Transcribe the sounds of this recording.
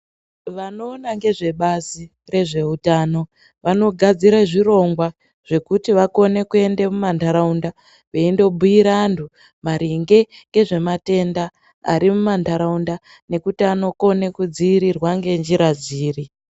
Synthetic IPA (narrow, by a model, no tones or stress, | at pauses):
ʋano̞ːnaŋɡe̞ʐe̞ɓazi | re̞ʐe̞utaːno̞ | ʋano̞ɡʱad͡ziɾaʐiro̞ŋɡwa | ʐ̥e̞kutiʋako̞ne̞kue̞ndemumandaɾaunda | ʋe̞indo̞bʱuiɾantʰu | maɾiŋɡe̞ŋɡe̞ʐe̞mate̞nda | a̰ɾimumandaɾaunda | ne̞kutiano̞ko̞ne̞kud͡ziːɾirwaŋɡe̞nd͡ʒiɾad͡ziːri